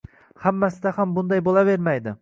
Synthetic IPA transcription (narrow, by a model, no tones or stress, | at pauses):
hamːasɪd̪ahambʊnd̪ɑjbolˠave̞ɾmajd̪ɪ